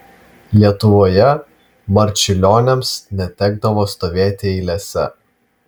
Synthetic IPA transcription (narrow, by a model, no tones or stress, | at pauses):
lʲiɛt̪ʊʋoːjɛ | bɐɾʲt͡ʃʲɪlʲoːnʲɛmsnʲɛt̪ʲɛɡ̚d̪ɐʋoːst̪oːʋʲeːt̪ʲeiːlʲɛsʲɛ̰